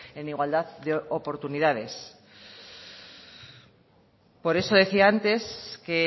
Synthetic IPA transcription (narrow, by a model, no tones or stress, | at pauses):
eniɣwald̪aðd̪eoopo̞ɾt̪unið̞að̞e̞s | po̞ɾe̞so̞ðe̞θiaant̪e̞ske̞